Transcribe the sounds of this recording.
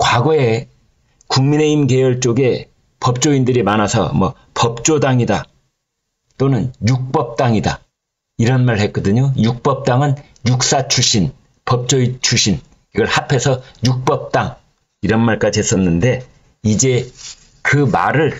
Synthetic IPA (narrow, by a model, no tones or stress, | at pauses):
kwaɡoe̞ | kuŋmine̞imɡe̞jʌɭt͡ɕ͈oɡe̞ | pʌp̚t͡ɕ͈oindɯɾimanasʰʌ̰mʌ̰ | pʌp̚t͡ɕ͈odaŋida | t͈onɯnjuk̚p͈ʌp̚t͈aŋida̰ | iɾʌnmaɭhe̞k͈ʌdɯɲojuk̚p͈ʌp̚t͈aŋɯn | juk̚s͈at͡ɕʰuɕʰin | pʌp̚t͡ɕ͈oit͡ɕʰuɕʰin | iɡʌɭhapʰe̞sʰʌjuk̚p͈ʌp̚t͈aŋ | iɾʌnmaɭk͈ad͡ʑiɦe̞s͈ʌnːɯnde̞ | id͡ʑe̞ | kɯma̰ɾɯɭ